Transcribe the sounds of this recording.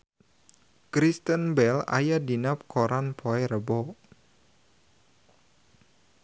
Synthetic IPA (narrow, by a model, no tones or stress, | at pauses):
kɾist̪ənbɛla̰jadinap̚kʰoɾanpʰoɛɾəbɔ